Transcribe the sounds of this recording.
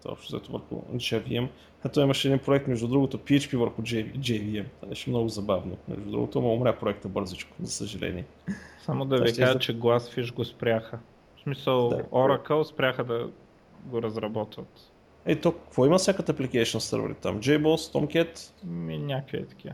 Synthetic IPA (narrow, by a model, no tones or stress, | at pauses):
t̪ɔ̰pʃt̪ʊzɛ̰t̪ovə̰ɾxʊ̰d͡ʒɛviɛm | ɐt̪ɔimɐʃɛd̪inpɾoɛk̚t̪mɛʒd̪ud̪ɾuɡot̪opiɛt͡ʃpivəɾxʊd͡ʒd͡ʒɛviɛmad̪ɛʃɛmnɔɡʊzɐbavnomɛ̰ʒd̪ud̪ɾṵɡo̰t̪ʊmoʊmɾʲapɾoɛk̚t̪əbɤɾzit͡ʃkʊ̥zɐsəʒɐlɛ̰nḭɛ | samod̪ɐvikaʒət͡ʃɛɡlˠasfiʒɡospɾʲaxə | smisəlˠd̪a̰ɔɾɐkəlˠspɾʲaxəd̪ɐ | ɡoɾɐzɾɐbɔt̪vət̪ | ɛit̪okɐkvɔiməsjakət̪əɐplikɛjʃionsə̰ɾvə̰ɾḭt̪a̰md͡ʒɛjbost̪ɔmkʲɛt̪minʲakviɛ̰t̪ɐ̥kʲiə